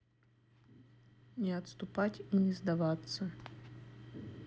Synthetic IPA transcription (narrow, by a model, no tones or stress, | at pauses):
nʲɪɐt̪st̪ʊpatʲinʲɪzd̪ɐvat̪sə